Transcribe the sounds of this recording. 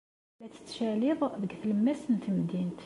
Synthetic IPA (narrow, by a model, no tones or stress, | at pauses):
læt̪ə̥t̪ʃæliðˤðəɡθələmːæsənt̪əmd̪int̪